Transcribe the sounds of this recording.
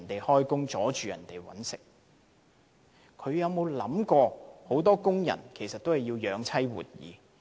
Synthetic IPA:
nt̪e˨jhɔː˥jkʊ˥ŋt͡sɔː˨˥t͡ʃyː˨˧jɐ̰˨˩nt̪e˨jwɐ̰˨˥nsɪ˨k̚ | kʰɵ˨˧ɥjɐ˨˧wmo˨˧wlɐ̰˨˥mkɔː˧ho˨˥wt̪ɔː˥kʊ˥ŋjɐ̰˨˩nkʰe˨˩jsɐ˨t̪̚o˥whɐ˨jːiː˧wjœː˨˧ŋt͡sʰɐ˥jwṵː˨t̚jḭː˨˧

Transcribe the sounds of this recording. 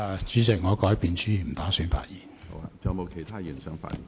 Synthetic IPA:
t͡ʃyː˨˥sɪ˨˩k̚ŋɔː˨˧kɔː˨˥jpiː˨nt͡ʃyː˨˥iː˨m̩˨˩t̪aː˨˥syː˨˥nfa̰ː˨t̚jiː˨n˨t͡sɐ˨˧mo˨˧wkʰe˨˩jt̪ʰaː˥ji˨˩nsœ˨˥ŋfa̰ː˧jḭ˨

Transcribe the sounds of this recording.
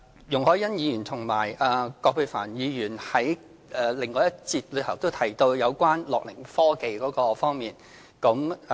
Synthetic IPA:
jʊ˨ŋhɔː˨˥jɐ˥njiː˨˧jyː˨˩nt̪ʰʊ˨˩ŋmaː˨˩jɛː˨kɔː˧pʰø˧fa̰ː˨˩njiː˨˧jyː˨˩nhɐ˨˥j | ɛː˨˩lɪ˨˩ŋːɔː˨˧jɐ˥t̚t͡siː˧t̚lɵ˨˧t̪ʰɐ˨˩wt̪o˥wt̪ʰɐ˨˩jt̪o˧wjɐ˨˧wkʷaː˥nlɔ̰ː˨k̚lɪ˨˩ŋfɔː˥ke˨jkɔː˨˥kɔː˧fɔː˥ŋmiː˨˩n | kɐ˨˥m

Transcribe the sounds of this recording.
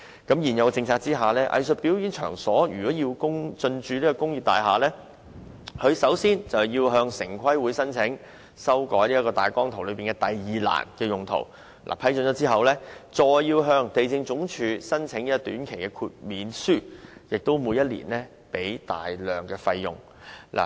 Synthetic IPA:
kɐ˨˥mjiː˨˩njɐ˨˧wt͡sɪ˧ŋt͡sʰaː˧k̚t͡siː˥ɦaː˨lɛː˥ʔɐ̰˧jsɵ˨t̚piː˨˥wjiː˨˥nt͡ʃʰœ̰ː˨˩ŋsɔː˨˥jyː˨˩kɔː˨˥ji˧wkʊ˥ŋt͡sɵ˧nt͡ʃyː˨˧liː˥kɔː˧kʊ˥ŋji˨˧p̚t̪a̰ː˨jɦaː˨lɛː˥ | hɵ˨˧ɥsɐ˨˥wsiː˥nt͡sɐ˨wjiː˧wɦœː˧ŋsɪ˨˩ŋkʷʰɐ˥jwuː˨˥jsɐ˥nt͡sʰɪ˨˥ŋ | sɐ˥wkɔː˨˥jliː˥ɐ˥kɔː˧t̪aː˨jkɔː˥ŋt̪ʰwlɵ˨˧ɥpiː˨˩nkɛː˧t̪ɐ˨jːiː˨la̰ː˨˩nkɛː˧jʊ˨˩ŋt̪ʰo̰˨˩w | lʔa̰ː˨˩pʰɐ˥jt͡sɵ˨˥nt͡ʃɔː˨˧˥t͡siː˥ɦɐ˨wlɛː˥t͡sɔː˨jːiː˧wɦœː˧ŋt̪e˨jt͡sɪ˧ŋt͡sʊ˨˥ŋt͡ʃʰyː˨˧sɐ˥nt͡sʰɪ˨˥ŋji˦˥t̪yː˨˥nkʰe˨˩jkɛː˧kʰuː˧t̚miː˨˥nsyː˥˩jɪ˨k̚t̪o˥wmuː˨˧jɐ˥t̚lḭː˨˩nlɛː˥ | pe˨˥jt̪a̰ː˨jlœː˨˩ŋkɛː˧fɐ˧jjʊ̰˨ŋ | lʔa̰˨˩

